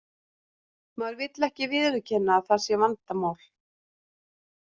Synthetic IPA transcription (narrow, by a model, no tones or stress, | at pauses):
maɾvɪt̪lɛhcɪvɪðʏɾʏcʰɛnːaːθḁsjɛvant̪amaːwl̥